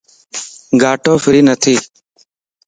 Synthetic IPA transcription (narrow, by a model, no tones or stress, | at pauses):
ɡaːʈoːfɪɾiːnət̪ʰiː